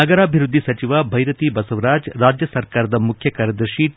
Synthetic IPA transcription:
ɐɡɐɾaːbʱiɾud̪ʱːisɐt͡ʃiʋabʱɐjɾɐt̪ibɐsɐʋɾaːd͡ʒɾaːd͡ʒjɐsɐɾkaːɾɐd̪ɐmukʰjɐkaɾjɐd̪ɐɾʃi

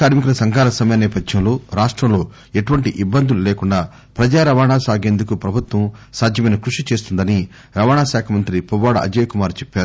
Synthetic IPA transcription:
kaːɽmikulɐsɐŋɡʱaːlɐsɐmɐjɐnɛːpɐdjɐmloːɾaːʂʈɾɐmlo̞ː | e̞ʈuʋɐɳʈiʔibːɐnd̪ululeːkuɳɖaː | pɾɐd͡ʒaːɾɐʋaːɳaːsaːɡeːnd̪ukupɾɐbʱut̪wɐmsaːd̪ʱjɐmɐjnɐkɾuʂit͡ʃeːst̪und̪ɐni | ɾɐʋaːɳaːsaːkʰɐmɐnt̪ɾipuʋaːɽɐʔɐ̰d͡ʒeːjkumaːɾt͡ʃepːaːɾu

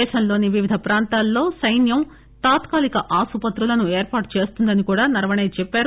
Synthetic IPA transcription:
ɛːʃɐmlo̞ːniʋiʋid̪ʱɐpɾaːnt̪aːlːo̞ːsɐjnjɐm | t̪aːt̪kaːlikɐʔaːsupɐt̪ɾulɐnueːɾpaːʈu̥t͡ʃe̞ːst̪und̪ɐnikuːɽaːnɐɾɐʋɐɳejt͡ʃɛpːaːɾu

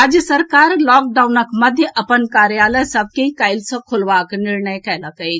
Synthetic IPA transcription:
ad͡ʒjəsəɾkaːɾlɔːk̚ɖaunəkmɐd̪ʱjəʔɐpənkaɾjaːləjsəb̚ʱkẽĩkaːɪlsɔ̃kʰolʋaːknɪɾnəjkɛlakə

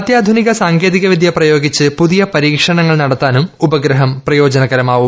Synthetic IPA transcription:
ɐt̪jaːd̪ʱuniɣɐsaːŋɡeːðiɣɐʋid̪ʱjɐprɐjo̞ːɡit͡ɕːɨpuðijɐpɐɾiːkʂɐɳɐŋːɐɭnɐɽɐt̪ːaːnumubɐɡɾɐɦɐmprɐjo̞ːd͡ʑɐnɐɣɐɾɐmaːʋu

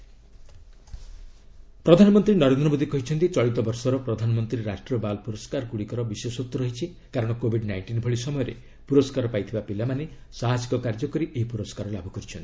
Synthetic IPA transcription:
pɾɔd̪ʱanɔmɔnt̪ɾinɔɾend̪ɾɔmod̪ʱikɔɦit͡ʃʰɔnt̪it͡ʃɔɭit̪ɔbɔɾsɔɾɔpɾɔd̪ʱanɔmɔnt̪ɾiɾaʃʈɾɔbalpuɾɔskaɾɔkuɽikɔɾɔbisesot̪ːɔɾɔɦit͡ʃʰi | kaɾɔɽ̃ɔkobʱiɖnajɳʈinbʱɔɭisɔmɔjɔɾḛ | puɾɔskaɾɔpajt̪ʰibapilamanesaɦasi̥kɔkaɾd͡ʒɔkɔɾiʔeɦipuɾɔskaɾɔlabʱɔkɔɾit͡ʃʰɔnt̪i̥

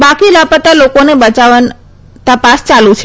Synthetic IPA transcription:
bakilapət̪alokonebət͡ʃaʋan | t̪əpast͡ʃalũt͡ʃʰ

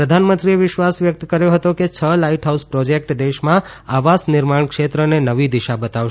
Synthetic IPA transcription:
ɾəd̪ʱanmə̃nt̪ɾieʋɪʃʋasʋjək̚t̪kəɾjõɦət̪oket͡ʃʰəlaiʈɦauspɾɔd͡ʒek̚ʈd̪eʃmãaʋasnɪɾmaɳ̃kʃet̪ɾənenəʋid̪iʃabət̪aʋʃ

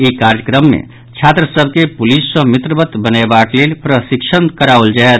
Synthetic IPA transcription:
ikaɾjəkɾəmːḛ | t͡ʃʰat̪ɾəsəb̚ʱkepulisːə̃mit̪ɾəbət̪bənebaklelpɾəsikʃʰənkəɾauld͡ʒaet̪

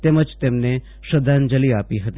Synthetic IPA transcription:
t̪eməd͡ʒt̪emne | ʃəd̪ʱand͡ʒəliapiɦət̪i

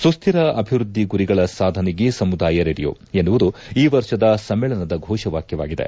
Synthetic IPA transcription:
sust̪ʰiɾɐʔɐbʱiʋɾud̪ʱːiɡuɾiɡɐɭɐsaːd̪ʱɐniɡesɐmud̪aːjɐɾeɾijo̰ː | enːuʋud̪uiːʋɐɾʃɐd̪ɐsɐmːeːɭɐnɐd̪ɐɡʱɔːʃɐʋaːkjɐʋaːɡid̪e̞̰

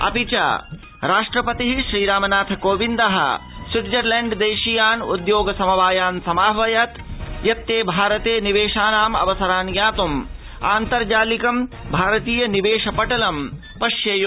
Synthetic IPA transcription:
ɐ̰pit͡ʃa̰ː | ɾaːʂʈɾɐpɐt̪iɦiʃɾiːɾaːmɐnaːt̪ʰɐkoːʋind̪ɐɦɐ̰siʈd͡ʒɐɾleɳɖd̪eːʃijaːnṵd̪joːɡɐsɐmɐʋaːjaːnsɐmaːʋɐjat̪jɐt̪ːeːbʱaːɾɐt̪eːniʋeːʃaːnaːmɐ̰ʋɐsɐɾaːnjaːt̪um | a̰ːnt̪ɐɾd͡ʒaːlikɐm | bʱaːɾɐt̪iːjɐniʋeːʃɐpɐʈɐlɐm | pɐʃjɐjo

